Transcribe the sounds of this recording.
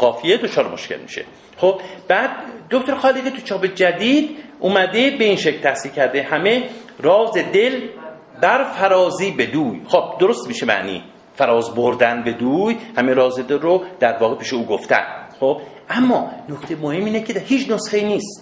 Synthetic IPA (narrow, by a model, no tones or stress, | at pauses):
ɡɒːfijed̪ot͡ʃʰɒːɾemo̰ʃkʲḛlmḭʃḛ | χob̥̚b̥æd̪̚ːokt̪ʰoɾxɒːlikʲit̪ʰut͡ʃʰɒːbed͡ʒæd̪iːd̪ʔumæd̪e̞be̞inʃeklt̪ʰæhsiːlcʰæɾd̪ehæme̞rɒːzed̪e̞l | bæɾfæɾɒːziːbe̞d̪uːjxob̥̚d̪oɾost̪miːʃemæ̰ʔnḭː | fæɾɒːzboɾd̪ænbe̞d̪uːjhæmeɾɒːzed̪elrod̪̥æɾvɒːɣe̞pʰiːʃeuːɡoft̪æ̰nxob̥ʔæmːɒːnokt̪ejmohemːiːnecʰehiːt͡ʃʰnosxe̞iːniːst̪